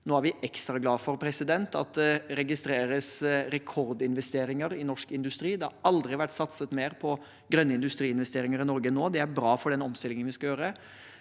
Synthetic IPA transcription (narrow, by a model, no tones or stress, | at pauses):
noːæɾʋɪʔɛkst̪ɾɑɡlɑːfɔɾpʰɾɛsɪd̪ɛnt̪ʰɑ̰t̪̚d̪ɛɾɛɡɪst̪ɾeːɾəsɾɛkʰɔɾd̪ɪnʋɛst̪eːɾɪŋəɾɪnɔʂkɪnd̪ʉst̪ɾiːd̪ɛhɑɾɑld̪ɾɪʋæʈːsɑt̪sət̪meːɾpʰɔ | ɡɾœnːəɪnd̪ʉst̪ɾiːɪnʋɛst̪eːɾɪŋəɾɪnɔɾɡənoːd̪ɛæɾbɾɑːfɔɖɛnɔmst̪ɪlɪŋənʋɪskɑjøːɾə